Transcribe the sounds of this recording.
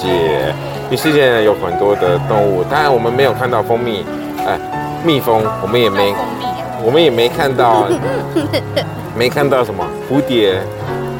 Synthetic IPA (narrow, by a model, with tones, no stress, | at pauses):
ɛ˨˥˩ | y˧˥˩ʂɻ̩˥˧t͡ɕjɛ˥˩jo˧˥ʊxə˨˩nt̪wɔ˥d̪ə˨t̪ʊ˥˧ŋu˥˩t̪a˥˩ɻa˦nwɔ˨˩mə˦nme˧˥ɪjkʰa˥˧nt̪ɑ˥˩ʊfo˥ŋmi˥˩ | ə˥˩ | mi˥˩fɤ˥ŋwɔ˨˩mə˦njɛ˨˩me˧˥ɪ | wɔ˨˩mə˦njɛ˨˩me˧˥ɪkʰa˥˧nt̪ɑ˥˩ʊ | me˧˥ɪkʰa˥˧nt̪ɑ˥˩ʊʂə˧˥nmə˧fu˧˥t̪jɛ˧˥